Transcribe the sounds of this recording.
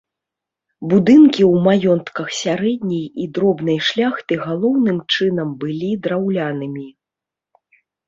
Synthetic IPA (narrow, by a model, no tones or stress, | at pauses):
bud̪ɨnkʲiwmajɔnt̪kɐxsʲaɾɛd̪ʲnʲɛjid̪ɾɔbnɐjʂlʲaxt̪ɨɣalˠɔwnɨmt͡ʂɨnɐmbɨlʲid̪ɾawlʲanɨmʲi